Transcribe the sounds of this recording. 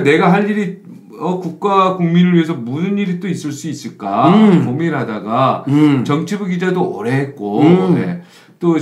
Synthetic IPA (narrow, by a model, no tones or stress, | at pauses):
ne̞ɡaɦaʎːiɾi | ʌkuk̚k͈akuŋminɯɭɥiɦe̞s̬ʰʌmusɯniɾit͈ois͈ɯɭs͈uis͈ɯɭk͈apomiɾɯɭɦhadaɡat͡ɕʌŋt͡ɕʰibuɡid͡ʑadoʌɾeɦet̚k͈one̞̰ | t͈o